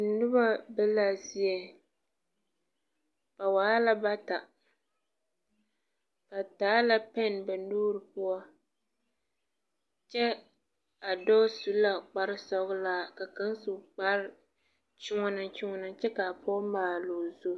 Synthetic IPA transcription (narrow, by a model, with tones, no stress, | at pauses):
nʊ˦ba˦bɛ˦la˨zi˦ɛ˨ | pa˨waː˨˦la˦ba˦ta˨ | pa˨taː˨˦la˦pɛ˦nbɛ˨nuː˦ɾɨ˨pʊ˦a˦ | t͡ʃɛ˦ | a˨dɔ˦su˦la˨k͡pa˦ɾɪ˦sɔ˦ɣʊ˦laː˦ka˨ka˦n˦su˨k͡pa˦ɾɪ˦ | t͡ʃɪ˦ŋɔ˦nɨ˨t͡ʃɪ˦ŋɔ˦nɨ˨t͡ʃɛ˦ka˨pɔː˦maː˨lo˨zo˦